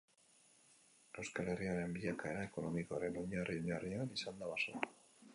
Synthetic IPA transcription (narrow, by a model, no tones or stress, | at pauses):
awskale̞riaɾe̞mbiʎakae̞ɾae̞ko̞no̞mikoaɾe̞no̞ɲarioɲarianisand̪aβasoa